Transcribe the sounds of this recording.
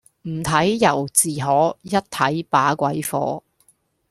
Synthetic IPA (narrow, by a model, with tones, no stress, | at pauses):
m̩˨˩t̪ʰɐ˨˥jjɐ˨˩wt͡siː˨ɦɔː˨˥jɐ˥t̚t̪ʰɐ˨˥jpaː˨˥kʷɐ˨˥jfɔ̰ː˨˥